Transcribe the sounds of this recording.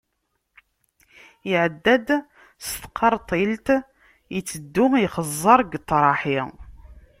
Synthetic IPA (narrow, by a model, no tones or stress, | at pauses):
iʕəd̪ːæd̪ | st̪ə̥qʰːɑɾˤt̪ˤilt̪ | jət͡sːəd̪ːʊiχəzˤːɑɾˤɡt̪ːɾˤɑħi